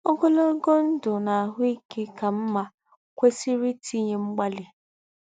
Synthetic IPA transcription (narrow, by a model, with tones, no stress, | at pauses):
o˦ɡo˦lo˦ɡo˦n̩˦dʊ˨na˨a˨ɦʊ˦i˦ke˦ka˨m̩˦ma˦ | kʷe˦si˦ɾi˦tʰi˦ɲe˦ŋ͡m̩˦ɡ͡ba˦lɪ˨